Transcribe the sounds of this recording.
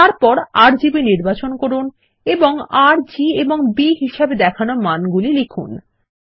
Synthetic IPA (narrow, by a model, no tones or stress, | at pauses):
t̪aɾpɔɾaɾd͡ʑibiniɾbat͡ɕonkoɾun | eboŋaɾd͡ʑieboŋbiɦiʃabed̪ɛkʰanomanɡulilikʰṵn